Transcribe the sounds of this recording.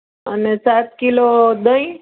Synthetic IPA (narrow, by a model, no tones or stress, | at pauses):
ə̰nesat̪̚kilod̪əĩ